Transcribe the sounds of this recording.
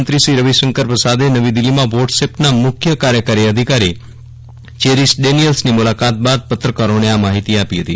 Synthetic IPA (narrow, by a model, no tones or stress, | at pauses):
nt̪ɾisiɾəʋiʃəŋkəɾpəsad̪enəʋid̪ɪlːimãʋɔɖsepnamʊkʰjəkaɾjəkaɾiəd̪ʱikaɾi | t͡ʃeɾisʈɖenijəlsnimulakat̪̚bad̪̚pət̪ɾəkəɾoneamaɦit̪iapiɦət̪ḭ